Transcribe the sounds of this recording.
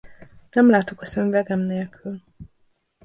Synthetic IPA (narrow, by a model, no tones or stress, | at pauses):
nɛmlaːt̪o̞kɒsɛɱvɛɡɛmneːlkʰyl